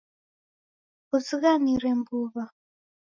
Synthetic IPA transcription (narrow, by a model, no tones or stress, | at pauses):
uziɣaniɾɛmbuβa